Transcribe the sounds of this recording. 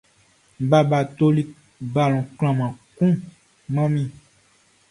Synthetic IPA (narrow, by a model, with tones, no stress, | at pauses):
ba˨ba˨t̪o˦li˦ | ba˨l̃ɔ̃˨kl̃ã˨mã˨kũ˦ | mã˦mĩ˦˨